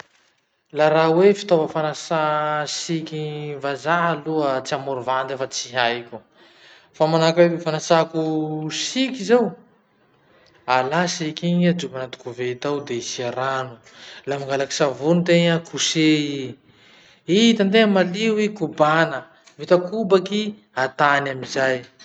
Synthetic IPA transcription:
laɾawefi̥t̪ovəfanasasikʲivazaɦaluət͡siamuɾuvand̪efat͡siɦajkʲu | famanakawewefanasakusikʲizew | alasikʲiɲad͡zuvanat̪u̥kuvet̪awd̪eisiaɾanu̥ | lamaŋɡalaki̥savunit̪eɲakʰusei | it̪and̪eŋamaliwikubanə | vit̪akubaki | at̪anamizaj

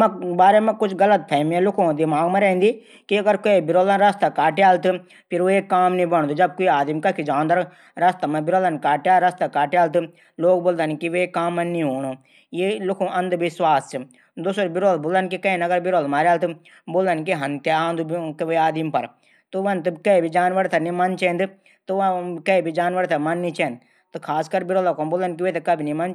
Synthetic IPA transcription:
mɐ̃baːɾemɛ̃kʊt͡ʃʰɡɐlət̪̚pʰɛːmjẽlʊkʰõd̪ɪmaːɡmẽɾɛ̃ːnd̪iː | kiɐɡəɾkoebɪɾoːlanɾɐst̪akaːʈjaːlt̪ɨ | pʰɪɾoekːaːmnĩbɐɳ̃d̪oːd͡ʒɐb̚koiaːd̪imkɐkʰid͡ʒãːnd̪aɾ | ɾɐst̪amɛ̃bɪɾoːlənkaːʈjaːɾɐst̪akaːʈjaːlt̪ɨ | loːɡ̚boːld̪ənkiʋeekaːmːɐ̃nĩɦoːñoː | jelʊkʰũʔɐ̃nd̪ʋɪswaːst͡ʃ | d̪ʊsɾbɪɾoːlboːlɐnkikɐĩnɐɡəɾbɪɾoːlmaːɾjaːlt̪ɨ | boːlɐnk̬iɦɐnt̪jaːnd̪ukʋeaːd̪impɐɾ | t̪uʋɐnt̪ɨbkɐibʱid͡ʒaːnʋəɾt̪ʰɐnimɐnt͡ʃɛ̃ːnd̪ɨ | t̪ɨʋkɐibʱid͡ʒaːnʋəɾt̪ʰɐmɐnːĩt͡ʃɛ̃ːnd̪ | t̪ɨkʰaːskɐɾbɪɾoːlakʰoboːlɐnk̬iʋeːt̪ɐkɐbʱinimɐn

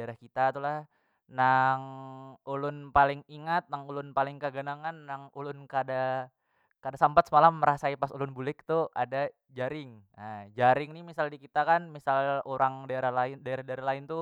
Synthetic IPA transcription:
daeɾahkit̪at̪ulah | naŋulʊnpalɪŋiŋat̪̚naŋulʊnpalɪŋkəɡənaŋanːaŋulʊnkada | kadasampat̪səmalamːəɾasaipasulʊnbulɪk̚t̪uʔa̰da | d͡ʒaɾɪŋ | əd͡ʒaɾɪŋnɪmisaldikit̪akanmisaloɾʔaŋdaeɾahlaɪndaeɾahdaeɾahlaɪnt̪u

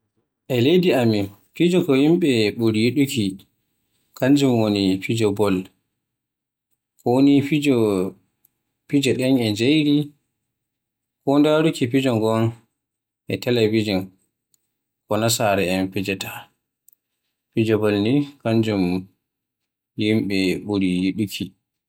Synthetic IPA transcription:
ʔɛlejdiami | pid͡ʒɔkɔjimɓɛɓuɾjiɗuki | kaɲd͡ʒumwonipid͡ʒɔbɔl | kɔwonipid͡ʒɔ | pid͡ʒɛɗɛnɛd͡ʒejɾi | kɔndaɾukipid͡ʒɔŋɡɔn | ʔɛtɛlebid͡ʒɔn | kɔnasaɾɛɛnpid͡ʒɛtḁ | pid͡ʒɔbɔlnikaɲd͡ʒum | jimɓɛɓuɾijiɗukʰi

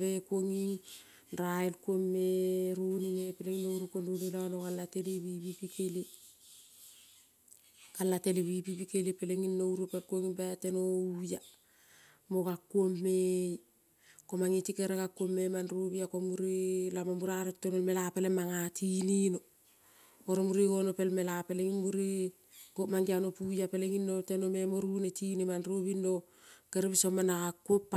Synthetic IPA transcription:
βekuoŋi | nɾaelkuomːeɾuninepeleŋinowɾukonɾunilanokalateliwipipikeli | kalːateliwipipikelipeleŋinːowɾupelkuoŋibatenouja | mokakːuomːej | ko̞maŋitikeɾeɡakːuomːemanɾoβiakomuɾilamamuɾaɾetːonelme̞lapelemaŋatʰinino̞ | oɾomuɾiɡo̞nopelme̞lapeleŋimuɾi | komaŋɡianopujapeleŋinːo̞tenome̞moɾunetinimanɾoβinːo̞ | keɾeβisomːanakakːuopːa

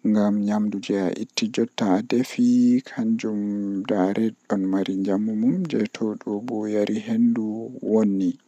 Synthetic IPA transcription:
ŋɡamɲamdud͡ʒɛa̰ʔitːid͡ʒɔtːadefikʰaɲd͡ʒumdaɾʔɛɗɔnmaɾiɲd͡ʒamːumumd͡ʒɛtʰɔɗɔbɔjaɾʔihenduwonːi

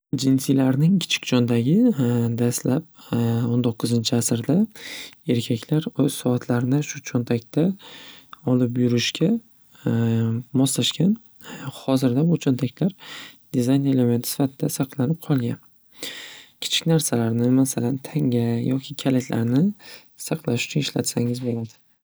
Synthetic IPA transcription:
d͡ʒɪnsilaɾnɪŋkʲʰɪ̥t͡ʃʰɪ̥kʲd͡ʒɒnd̪aɡʲɪd̪aslap̚ | ont̪ʰoqʰːɨzɪnt͡ʃʰɪasɾd̪ae̞ɾkʲʰakʲlaɾoz̥sɒat̪ʰlaɾnɪʃʊt͡ʃʰont̪ʰakʲt̪ʰa | ɒlɪpjʊɾɪʃkʲʰa | mɒslaʃkʲʰan | hɒzɪɾd̪abʊt͡ʃʰont̪ʰakʲlaɾd̪̥izajneleme̞nt̪ʰɪsɪ̥fat̪ʰɪd̪asɑqlˠanɪp̚qʰɒlˠɡʲan | kʲʰɪ̥t͡ʃʰɪ̥kʲnaɾsalaɾnɪmasalant̪ʰaŋʲajɒkʲʰɪkʲʰalakʲʰla̰ɾnɪ | sɑqʰlˠaʃʊ̥t͡ʃʰʊnɪʃla̰t̪saŋɪzbolad̪ɪ̥

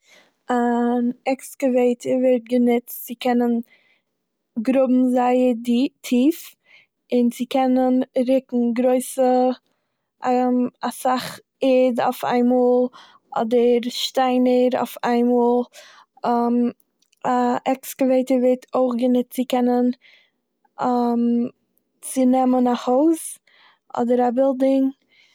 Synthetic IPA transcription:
anɛkskəveɪtʰəɾvɛɾt̚ɡənɪt͡ssɪkʰɛnən | ɡɾʊbm̩zaɪədtʰiːf | ɪnzɪkʰɛnənɾɪkŋ̩ɡɾoɪsə | asaχ | eda̰ʊfa̰ɪmɔlˠ | ɔ̰dəɾʃtaɪnəɾa̰ʊfaɪmuːlˠ | m | aʔɛkskleɪtəɾveɪtʰoʊfɡənɪtt͡sɪkɛnən | m | t͡sɪnɛmənahoʊs | ʔɔ̰dəɾabɪlˠdɪŋ

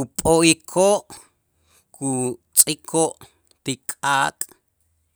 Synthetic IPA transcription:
upʼoikʰoʔ | kʰut͡sʼikʰoʔ | t̪ikʼaːkʼ

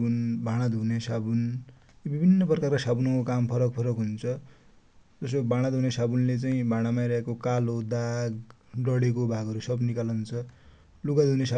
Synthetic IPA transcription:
unbʱãɽ̃ad̪ʱunesabun | jobibʱinːʌprʌkarkasabunokokampʰʌɾʌk̚pʰʌɾʌkɦunt͡sʰʌ | d͡zʌsobaɽ̃ad̪ʱunesabunlet͡saĩbʱãɽ̃amajɾʌɦekokalod̪aɡ | ɖʌɽekobʱaɡʌɾusʌbnikalʌunt͡sʰʌ | luɡad̪ʱunesa

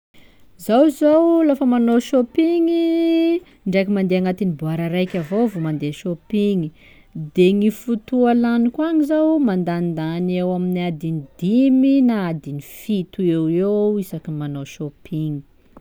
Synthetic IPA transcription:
zawzawlafəmanoʃopiŋi | ɳɖ͡ʐekimand̪eaŋat̪inibuaɾəɾajkʲavovomand̪eʃopiŋi | d̪eŋifut̪ualanikwaɲizawmand̪and̪anewaminiad̪inid̪iminaad̪inifit̪ueweisakimanoʃopʰiŋi̥

